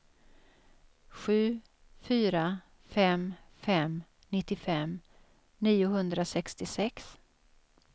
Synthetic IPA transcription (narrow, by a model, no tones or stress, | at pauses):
ɧʉ̟ː | fyːɾa | fɛmfɛm | nɪt̪ːɪfɛm | niːʊɦɵnd̪ɾasɛkst̪ɪsɛks